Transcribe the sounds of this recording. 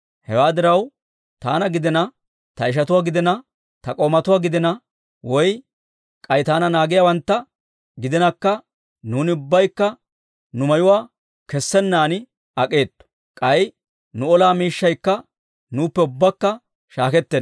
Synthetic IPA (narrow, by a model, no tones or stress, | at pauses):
hɛwaːd̪ɪɾɐw | t̪aːnɐɡɪd̪ɛnɐ | t̪ɐɪʃ̬ɐt̪ʊwaːɡɪd̪ɛnɐ | t̪ɐkʼomɐt̪ʊwaːɡɪd̪ɛnɐ | wɔj | kʼɐjt̪aːnɐnaːɡɪjawɐnt̪ːɐ | ɡɪd̪ɛnɐkːɐ | nuːnɪʊbːɐjkːɐ | nʊmɐjʊwaː | kɛsːɛnːaːnɪ | ɐkʼe̞ːt̪ːɔ̥ | kʼɐj | nʊɔlaːmiːʃːɐjkːɐ | nuːpːɛʊbːɐkːɐ | ʃaːkɛt̪ːɛn